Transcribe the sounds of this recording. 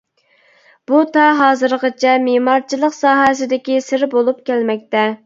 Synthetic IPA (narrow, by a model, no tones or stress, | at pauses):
b̥ut̪ʰɑɦɑːzɨɾqət͡ʃʰɛmemɑɾt͡ʃʰilˠəqsɑːɦɛsɪd̪ɪkʲisɪɾbolˠup̚kʲɛlmɛk̚ʲt̪ɛ